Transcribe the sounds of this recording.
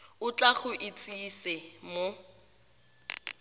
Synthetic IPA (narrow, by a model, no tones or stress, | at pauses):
ʊt͡ɬʼaχʊʔɪt͡sʼisɪmo